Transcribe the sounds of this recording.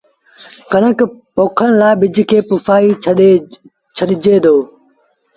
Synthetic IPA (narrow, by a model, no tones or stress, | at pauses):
kənəkpoːkʰənɪlaːɪbɪd͡ʑkʰeːpʊfaːi | t͡ʃʰəɗɪd͡ʑʱeːd̪oː